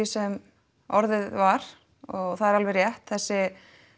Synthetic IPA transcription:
ɪsɛm | ɔɾðɪðvaɾ̥ | ɔɣθaðɛɾalvɛrjɛht̪θɛsːɪ

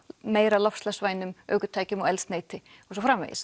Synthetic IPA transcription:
meːjɾalɔfslɛsvaːjnʏmœ̰ːɥkʏt̪ʰaːjcʏmɔɣɛlsneːjt̪ɪ | ɔsɔfɾamḛjɪ̰s

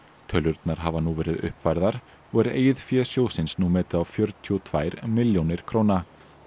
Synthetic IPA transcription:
t̪ʰœlʏɾt̪naɾ̥ɦavanuvɛːɾɪðʏ̰hpvajɾðaɾ | ɔɣɛɾḛːjðfjɛːsjoːwsɪnsnumɛːt̪ɪðawfjœɾt̪ʰjut̪ʰvaːjɾmɪljownɪɾ̥kʰɾoːwna

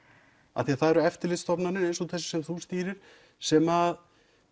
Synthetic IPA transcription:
a̰θiaθaðɛɾʏɛft̪ɪɾlɪt̪st̪ɔpnanɪnejnsɔt̪θɛsɪ̥sɛmθust̪iːɾɪɾ̥ | sɛmað

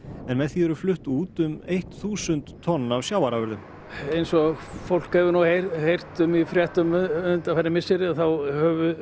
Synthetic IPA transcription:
ɛnmɛðθiɛɾʏflʏht̪uːt̪ʏmejht̪θuːsʏnt̪ʰːɔnːavsjaːwvaɾavɛɾðʏm | ejnsɔfowl̥khɛvʏɾnawhehejr̥t̪ʏmifɾjɛht̪ʏmʏnt̪afajɾɪmɪsɪɾɪaθawhœvʏ

